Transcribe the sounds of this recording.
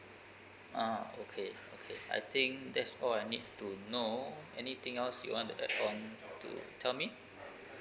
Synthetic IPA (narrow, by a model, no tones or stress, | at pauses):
ʔaokʰe | okʰea̰jt̪ʰĩŋkdɛtsɔlajnid̚tunoɛnit̪ɪ̃ŋɛlsjṵwɔ̃ntuʔɛ̰kɔ̃ntṵtʰɛlmi